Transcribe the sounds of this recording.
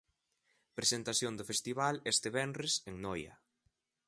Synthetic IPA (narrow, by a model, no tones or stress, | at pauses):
pɾesent̪aθjoŋd̪ʊfest̪iβalest̪ɪβɛnreseŋnɔjɐ̰